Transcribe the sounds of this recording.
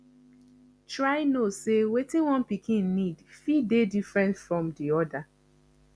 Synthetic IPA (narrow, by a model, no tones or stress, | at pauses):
tɹaɪnosewetĩnwɔ̃npikʰĩnːidfidedifɹɛ̃ntfɹɔ̃mdiɔda